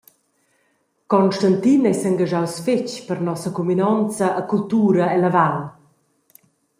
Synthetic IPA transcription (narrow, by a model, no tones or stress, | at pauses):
kɔnʃtant̪inɛjsaŋɡaʒawsfɪt͡ɕpərnɔsəkuminɔnt͡səʔːkult̪uːɾɐɛlavaw